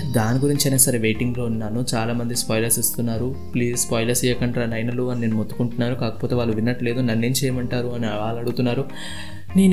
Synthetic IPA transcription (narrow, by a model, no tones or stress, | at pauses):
d̪aːniɡuɾiɲt͡ʃiɐjnaːsɐɾeʋe̞ːʈiŋɡlo̞ːunːaːnut͡ʃaːlaːmɐnd̪ispɔːjlɐɾsist̪unːaːɾu | pliːzspaːjlɐɾsijɐkɐɳʈɾanɐjnɐluɐnineːnumot̪ːu̥kuɳʈunːaːɾukaːkɐ̥po̞ːt̪e̞ːʋaːɭːuʋinːɐʈle̞ːd̪unɐnːe̞ːmt͡ʃɛːjɐmɐɳʈaːɾuɐniɐaːlɐɽut̪unːaːɾu | niːn